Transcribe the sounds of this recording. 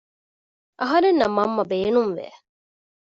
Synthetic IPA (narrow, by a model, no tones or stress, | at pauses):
ʔɐɦɐɾenːɐmːɐmːɐbeːnumʋḛ